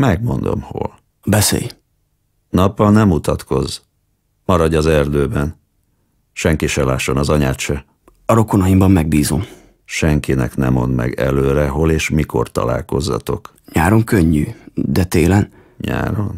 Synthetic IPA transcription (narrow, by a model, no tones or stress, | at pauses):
mɛɡmo̞nd̪o̞̰mho̰l | bɛsḛːj | nɒpːɒlnɛmut̪ɒt̪kʰo̞z | mɒɾɒɟɒzɛrd̪øːbɛn | ʃɛŋkiʃɛlaːʃːo̞nɒzɒɲaːt̪ʃɛ | ɒɾo̞konɒjimbɒmːɛɡ̚biːzo̞m | ʃɛŋkinɛknɛmo̞̰nd̪mɛ̰ɡɛløːɾɛɦo̞leːʃmiko̞̰rt̪ɒ̰la̰ːlko̞zːɒ̰t̪o̞k | ɲaːɾo̞ŋkøɲːy̰ːd̪ɛt̪eːlɛn | ɲa̰ːɾon